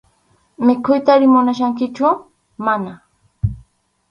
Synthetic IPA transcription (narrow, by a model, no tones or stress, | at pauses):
mɪkʊjt̪aɾɪmʊnaʃ̬aŋkɪt͡ʃʊ | mana